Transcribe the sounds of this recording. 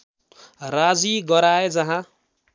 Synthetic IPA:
ɾad͡ziɡʌɾaed͡zʌɦã

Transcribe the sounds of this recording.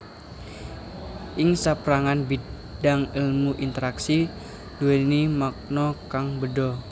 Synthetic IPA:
ʔɪŋsapɾaŋanbi | d̥aŋilmuʔint̪əɾaksi | d̥uenimak̚nɔkaŋbəɖɔ

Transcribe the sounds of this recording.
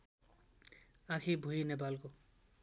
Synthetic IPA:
akʰibʱuinep̬alko

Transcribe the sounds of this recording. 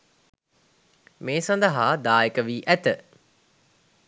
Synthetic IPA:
meːsand̪əɦaːd̪aːjəkəʋiːʔæt̪ə

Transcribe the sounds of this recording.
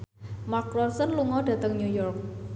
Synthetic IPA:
maklɔrsənluŋɔɖ̥ä̤t̪əŋnujɔrk̚

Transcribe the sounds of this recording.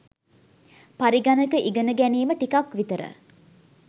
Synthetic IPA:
paɾiɡanəkəʔiɡənəɡæniːməʈikakʋit̪əɾə̰

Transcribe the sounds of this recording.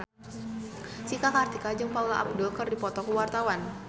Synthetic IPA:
sikakart̪ikad͡ʒɨŋpaulaʔa̰b̚dʊlkɨrdipɔt̪ɔkuwart̪awan

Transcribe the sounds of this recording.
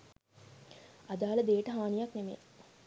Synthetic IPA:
ad̪aːləd̪eːʈəɦaːnijaknemḛːd̪

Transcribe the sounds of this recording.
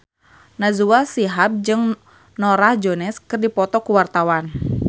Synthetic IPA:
nazuwalsiɦap̚d͡ʒɨŋ | nɔɾahd͡ʒɔnɛskɨrdipɔt̪ɔkuwart̪awan

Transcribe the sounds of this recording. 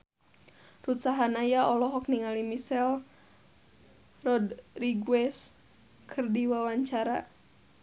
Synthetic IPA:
rut̪saɦanajaɔlɔɦɔkniŋalimisɛl | rɔdriɡwɛs | kʰɨrdiwawaɲt͡ʃaɾa

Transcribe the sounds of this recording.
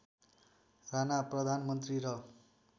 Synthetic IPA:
ranaprʌd̪ʱanmʌnt̪riɾʌ

